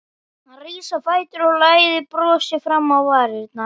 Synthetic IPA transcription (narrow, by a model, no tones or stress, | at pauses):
hanriːsafaːjt̪ʏɾɔlaːjðɪpɾɔːsɪfɾamːawvaːɾɪt̪̚na